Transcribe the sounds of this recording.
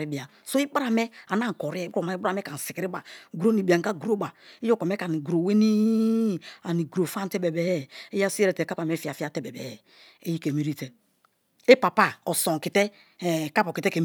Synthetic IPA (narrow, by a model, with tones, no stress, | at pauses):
i˦bi˨a˨ | so˦i˦ba˦ɾa˨mɛ˦a˨n˦a˦ŋ̩˨ko˨ɾi˦ɛ˦o˨ma˨˦bɾa˨mɛ˦ka˨n̩˨si˨ki˨ɾi˦ba˨ɡɾo˦ni˨bi˨a˨ŋ˨ka˦ɡu˨ɾo˦ba˨i˦jo˦ko˨me˦ka˨ni˨ɡu˨ɾo˨we˦ni˦ | a˨ni˨ɡu˨ɾo˨fa˦tɛ˦be˨bɛ˨˦e˦ja˦si˦e˦ɾe˨te˨ka˦pa˨me˦fi˦a˨fi˦a˨te˦bɛ˨bɛ̰˨ | e˦ji˦ke˨mi˦ɾi˦te˨ | e˦pa˨pa˦˨o˨so˨ŋ˨ki˨te˦˨ | ka˦po˨ki˨te˦ke˨m